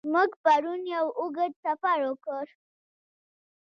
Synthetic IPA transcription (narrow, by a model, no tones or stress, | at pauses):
muɡpaɾunjawʊɡəd̪safaɾokəɾ